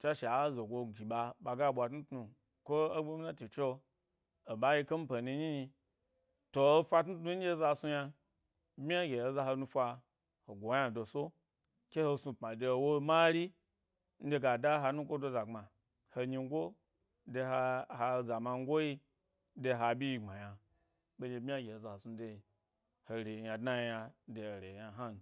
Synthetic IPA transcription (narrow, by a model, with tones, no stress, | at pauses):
t͡ʃa˦ʃe˨a˨˦zo˨ɡʷo˧ɡʲi˨ɓa˧ɓa˧˨ɡa˦˨ɓʷa˨tnu˦tnu˨ | kʷo˦o˦ɡ͡bu˦m˦na˦ti˨t͡ʃo˦ | o˨ba˦ji˧ke˦m̩˦pe˨ni˧ɲi˦ɲi˧ | to˨o˦fʷa˧tnu˦tnu˦n̩˦d͡ʒʲe˦za˧˨su˧ja˧˦ | bʲi˦a˦ɡʲe˨o˨za˧ɦo˧nu˧fʷa˧ | ho˨ɡʷo˨˦ja˦˨do˨so˦ | kʲe˦ho˧su˧pma˨de˧˨wo˦ma˦ɾi˦ | n̩˦de˧ɡa˨da˦ɦa˧nu˦kʷo˦do˧za˨ŋ͡ma˨ | ho˧ɲi˧ŋ˦ɡo˦ | de˧ha˧ha˧˨za˨ma˧ŋ˦ɡo˦ji˦ | de˧ɦa˧bʲi˦ji˧ŋ͡ma˨ja˧ | be˦d͡ʒʲe˧˦bmʲi˦a˦ɡʲe˨o˨za˨ho˨su˧˦de˧ | ho˨ɾe˨ja˨dna˦jja˧˦de˨o˨ɾe˨ja˨ɦa˦˨n˨